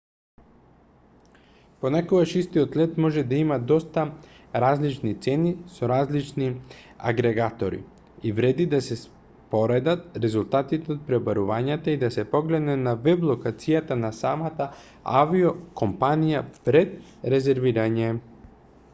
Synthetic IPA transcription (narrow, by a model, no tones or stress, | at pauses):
ponɛkoɡaʃist̪iot̪lɛt̪mɔʒɛd̪aimad̪ɔst̪a | ɾazlit͡ʃnit̪sɛnisoɾazlit͡ʃni | a̰ɡɾɛɡat̪oɾḭ | ivɾɛd̪id̪asɛs | poɾɛd̪at̪̚ɾɛzulˠt̪at̪it̪ɛot̪̚pɾɛbaɾuvaɲat̪aid̪asɛpɔɡlɛd̪nɛnavɛblˠokat̪sijat̪anasamat̪a | a̰viokompanijapɾɛd̪̚ | ɾɛzɛɾviɾaɲɛ